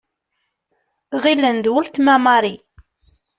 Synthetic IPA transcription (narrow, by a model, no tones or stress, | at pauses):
ʁilːənd̪wəlt̪mæmɑɾˤi